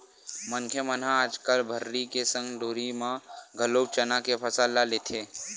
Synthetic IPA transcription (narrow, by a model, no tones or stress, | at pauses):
mənkʰjəmənãaːd͡ʒkəlbʱəɾːikesə̃ŋɡloːɾimãɡʱəloːb̚t͡ʃənakepʰəsaːlːalet̪ʰeː